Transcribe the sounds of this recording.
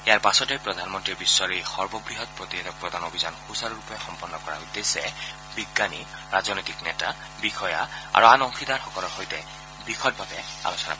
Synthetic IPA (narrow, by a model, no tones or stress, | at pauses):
ejaɹpasɔtɛpɹɔdʱanmɔntɹiɹbisːɔɹixɔɹbɔɡɹiɦɔt̚pɹot̪iɦedɔk̚pɹɔdʱanobʱizanxusaɹɹupɛxɔmpɔnːɔkɔɹa̰udesɛ | biɡːaniɹazɔnɔojtiknɛta | bixʰɔja̰a̰ɹuanɔŋxidaɹxɔkɔlɔɹxojtɛ | bixʰɔd̚bʱabɛa̰lɔsɔna̰p